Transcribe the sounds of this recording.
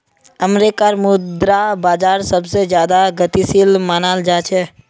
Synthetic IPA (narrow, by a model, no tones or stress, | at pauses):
əmɾekaɾmud̪ɾabad͡ʒaɾsəbsed͡ʒjad̪aɡət̪isilmanald͡ʒat͡ʃʰɛ